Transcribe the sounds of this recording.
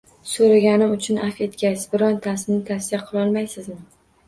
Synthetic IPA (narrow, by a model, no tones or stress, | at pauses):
soɾaɡʲanɪmʊt͡ʃʰʊnafe̞t̪kʲasbɪɾɒnt̪ʰasɪnɪt̪ʰasijaqʰɨlˠɒlˠmajsɪzmɪ